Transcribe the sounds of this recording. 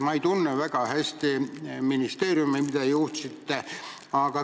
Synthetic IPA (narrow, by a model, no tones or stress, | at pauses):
mɑit̪unːeʋækɑhest̪iminist̪eːriumeimit̪æjuːht̪sit̪ːæ | ɑːkɑ